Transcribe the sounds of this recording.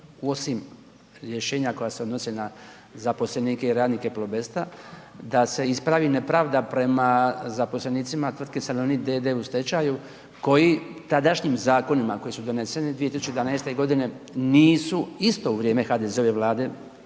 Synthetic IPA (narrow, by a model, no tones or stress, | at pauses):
uo̞sim | ɾjeʃe̞ːɲakojaseo̞d̪no̞sena | zapo̞sleniːkeiɾaːd̪nike̞plobest̪ad̪ase̞ispɾaʋinepɾaʋd̪apɾe̞mazapo̞sleniːt̪simat̪ʋr̩d̪̚kesalonid̪ed̪e̞ust̪e̞t͡ɕaju | ko̞jit̪ad̪aʃɲimzaːko̞nimako̞jisud̪o̞ne̞senid̪ʋiet̪isut͡ʃed̪vanajst̪e̞ɡo̞d̪ine̞niːsuist̪o̞uʋɾje̞ːme̞xaːd̪ezeo̞ʋe̞ʋlˠaːd̪e̞